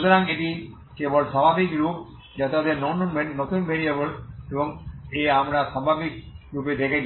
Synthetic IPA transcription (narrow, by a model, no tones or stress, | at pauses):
d̪oɾaŋeʈi | kebɔlsababʱikɾup̚ | d͡ʑat̪ad̪eɾnɔnonmeɳʈnot̪unbʱeɾiebəlebɔŋeamɾasabʱabʱik̚ɾuped̪ekʰed͡ʑ